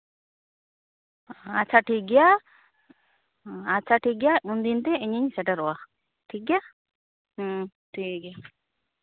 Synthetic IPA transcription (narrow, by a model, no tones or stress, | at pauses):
at͡ʃaʈiɡja | at͡ʃaʈiɡjaund̪int̪eeɲiɲsɛʈaɾɔa | ʈʰiɡja | ʈʰikɛ